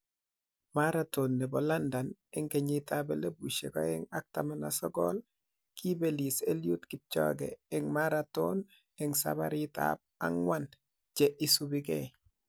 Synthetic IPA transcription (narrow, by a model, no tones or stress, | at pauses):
maɾatonːɛbɔlandanɛŋɡɛɲitabɛlebuʃḛkɔ̰ɛŋak̚tamanasɔɡɔ̰l | kʰibeliseljutkit͡ʃɔ̰ɡɛɛŋmaɾaton | ɛŋsa̰baɾita̰b̚a̰ŋwan | t͡ʃɛʔisubiɡɛ